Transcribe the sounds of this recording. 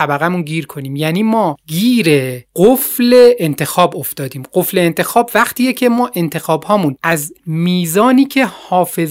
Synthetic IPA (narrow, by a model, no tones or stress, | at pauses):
æbæɣæmunɡiːɾkʰo̞niːmjæːniːmɒːɡiːɾeɢofle̞ːnt̪ʰe̞xɒːbo̞ft̪ɒːd̪iːmɢofle̞ːnt̪ʰe̞xɒːbvæqt̪ʰiːjecʰe̞mɒːʔe̞nt̪ʰe̞xɒːbhɒːmũnæzmiːzɒːniːcʰe̞hɒːfe̞z